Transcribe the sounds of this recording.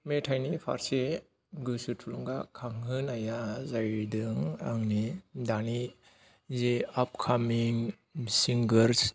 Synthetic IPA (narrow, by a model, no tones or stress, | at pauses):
metʰajnipʰa̰ɾse | ɡɯsutʰuluŋɡakʰaŋhɯnajazajdɯŋa̰ŋnidani | zeap̚kʰamiŋ | siŋɡɯɾs